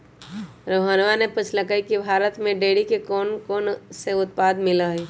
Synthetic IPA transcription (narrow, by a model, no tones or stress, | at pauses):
ɾoːɦaːnʋanepət͡ʃʰləkaːikibʱaːɾət̪mẽɖeːɽikekoːnkoːnseʊt̪̚paːd̪mɪlaɦeː